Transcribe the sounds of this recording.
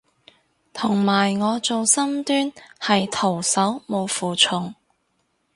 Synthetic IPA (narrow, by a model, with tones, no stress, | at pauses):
t̪ʰʊ˨˩ŋmaː˨˩jŋɔː˨˧t͡so˨wsɐ˥mt̪yː˥nhɐ˨jt̪ʰo˨˩wsɐ˨˥wmo˨˧wfuː˨˩t͡ʃʰʊ˨ŋ